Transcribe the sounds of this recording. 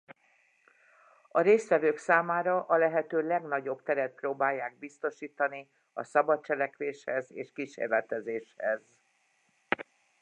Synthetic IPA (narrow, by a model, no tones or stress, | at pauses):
ɒɾeːst̪ʋɛvøːksaːmaːɾɒʔɒlɛɦɛt̪øːlɛɡnɒɟo̞bt̪ɛɾɛt̪̚proːbaːjːaːɡ̚bist̪o̞ʃiːt̪ɒni | ɒsɒbɒt̪t͡ʃɛlɛkʋeːʃhɛzeːʃkiʃḛːrlɛt̪ɛzeːʃhɛz